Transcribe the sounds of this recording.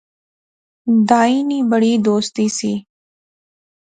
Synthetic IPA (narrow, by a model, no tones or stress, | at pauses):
d̪aːiːniːbəɽiːd̪oːst̪iːsiː